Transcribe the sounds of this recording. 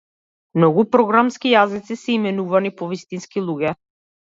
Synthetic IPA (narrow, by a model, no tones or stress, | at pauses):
mnɔɡupɾɔɡɾamskijazit̪sisɛimɛnuvanipɔvist̪inskilˠuɡɛ